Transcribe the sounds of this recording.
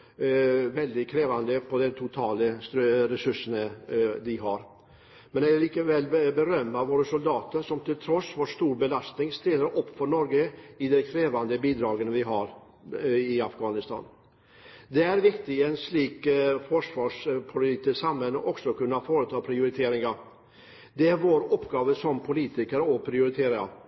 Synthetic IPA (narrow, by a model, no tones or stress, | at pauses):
ʋɛld̪ɪkʰɾeːʋand̪əpʰɔd̪ɛt̪ʰʊt̪ʰɑːləst̪ɾɾɛsɵʂənəd̪ɪɦɑɾ | mɛnɛliːkəʋɛlːbəɾœmːaʋoːɾəsʊld̪ɑːt̪əɾʂɔmt̪ʰɪlt̪ʰɾɔsːʋoːʂt̪uːɾbəlast̪nɪŋst̪eːləɾʔɔpːfɔɳɔɾɡəɪd̪ɛkʰɾeːʋand̪əbiːd̪ɾɑːɡənəʋɪɦɑɾ | ɪafɡɑːnɪst̪ʰɑ̰ːn | d̪ɛæɾʋɪkt̪ɪɛnsliːkfɔʂʋɑːʂpʰʊlɪt̪ɪsamhɛnːəʔɔksɔkʉnːafoːɾət̪ʰɑːpʰɾɪʊɾɪt̪ʰeːɾɪŋaɾ | d̪ɛæɾʋoːɾɔpːɡɑːʋəsɔmpʰʊliːt̪ɪkəɾəɔpʰɾɪʊɾɪt̪ʰeːɾaɾə̰